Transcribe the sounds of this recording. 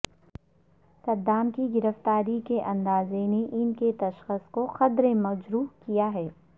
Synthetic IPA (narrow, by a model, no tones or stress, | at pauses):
sɐd̪ːaːmkiɡɪɾəft̪aːɾikeʔɐ̃nd̪aːzeneʔɪnket̪ɐʃxəskoxɐd̪ɾemɐd͡ʒɾuːkijaɦɛː